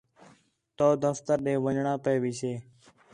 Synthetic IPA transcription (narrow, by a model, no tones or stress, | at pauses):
t̪oːd̪əft̪əɾɗeːʋəɲɳãːpeːʋiːseː